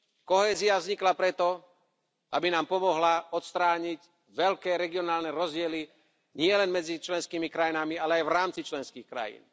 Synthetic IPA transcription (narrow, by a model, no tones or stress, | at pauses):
kɔɦɛːziavzɲiklapɾɛt̪ɔ | ʔabinaːmpɔmɔɦlaɔt̪st̪ɾaːɲic | ʋɛʎkɛːɾɛɡiɔnaːlnɛɾɔzɟɪɛli | ɲɪɛlɛnmɛd͡zit͡ʃlɛnskiːmikɾajinamialɛajʋɾaːmt͡sit͡ʃlɛnskiːxkɾa̰jḭːn